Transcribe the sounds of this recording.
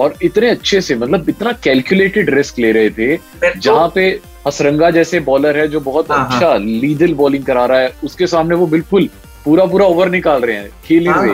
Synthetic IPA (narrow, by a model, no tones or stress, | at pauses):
ɔːɾɪt̪neɐtːʃʰesemɐt̪ləbɪt̪nakɛːlkjʊleːʈɪɖɾɪskleːɾɐɦet̪ʰe | d͡ʒɐɦãpe | hɐsɾɐ̃ŋɡad͡ʒɛːsebɔːləɾɦɛd͡ʒoːbɐɦʊt̪ɐtːʃʰaliːd̪əlbɔːlɪ̃ŋɡkɐɾaːɾaɦɛʊskesaːmneʋobɪlkʊl | puːɾap̬uːɾaoːʋəɾnɪkaːlɾɐɦeɦɛ̰̃ːkʰeːlĩsḛː